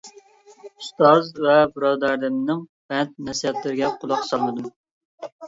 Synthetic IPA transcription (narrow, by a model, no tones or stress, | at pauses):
ust̪ɑzvɛbɨɾɑːd̪ɑɾd̪ɪmnɪŋpɛnt̪̚nɛsijɛt̪lɪɾɪɡʲɛqʰʊlˠɑqsɑlˠmɨd̪um